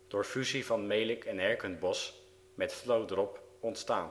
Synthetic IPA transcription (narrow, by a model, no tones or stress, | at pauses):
d̥ʊːɹfyzivɑnmejlɪkɛnɛɹkənbɔs | mɛtflowdɾɔpɔntstaːn